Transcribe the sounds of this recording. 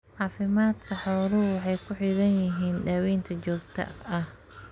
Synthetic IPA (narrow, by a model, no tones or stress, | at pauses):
ʕɑːfɪmaːd̪kʰɐħɔwlʊwɑħɑjkʰʊħiðɐnjɪɦiːnɖaːwɛːnt̪ʰɐt͡ʃɔːɡt̪ʰɐ̰ɐh